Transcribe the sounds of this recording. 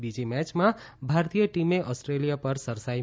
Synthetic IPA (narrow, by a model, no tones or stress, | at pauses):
bid͡ʒimɛt͡ʃmã | bʱaɾt̪ijəʈimeʔɔsʈɾelijapəɾsəɾsai